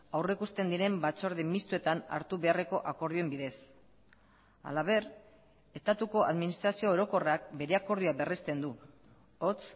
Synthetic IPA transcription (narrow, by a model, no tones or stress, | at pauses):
awrekust̪e̞nd̪iɾe̞mbat͡soɾðemist̪ue̞t̪ana̰ɾt̪uβe̞are̞ko̞ʔako̞ɾðie̞mbiðe̞s | a̰laβe̞r | e̞st̪at̪uko̞ʔaðminist̪ɾasio̞oɾo̞ko̞rakbe̞ɾe̞ako̞ɾð̞uabe̞rist̪e̞nd̪u | ot͡s